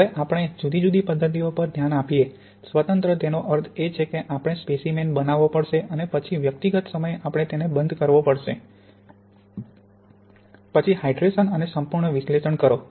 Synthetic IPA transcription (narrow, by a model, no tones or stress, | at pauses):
ɦəʋeʔapəɽ̃ed͡ʒud̪ʱid͡ʒud̪ipəd̪ʱːət̪̬iopəɾd̪ʱjanapije | sʋət̪ənt̪ɾət̪enoʔəɾt̪ʰet͡ʃʰekeʔapɽ̃espesimenbənaʋopəɽʃeənepət͡ʃʰiʋjək̚t̪iɡət̪səməjeʔapɽ̃et̪enebənd̪ʱkəɾʋopəɽʃe | pət͡ʃʰiɦaiɖɾeʃənənesəmpuɾɳəʋɪʃleʃəɳkəɾo